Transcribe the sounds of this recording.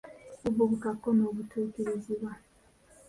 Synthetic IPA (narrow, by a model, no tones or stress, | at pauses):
uβoβutakːonoːβutʰuːkeɾeziβwa